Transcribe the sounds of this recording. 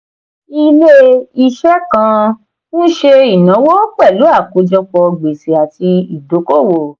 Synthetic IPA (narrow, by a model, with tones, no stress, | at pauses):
i˧le˦i˧ʃɛ˦kã˧ | nũ˦ʃe˧i˨nã˨˦wo˦kɛ˦˨lu˨˦a˦˨ko˨˧˦d͡ʒɔ˧k͡pɔ˧ɡ͡be˨se˨a˨ti˧i˨do˨˦ko˦˨wo˨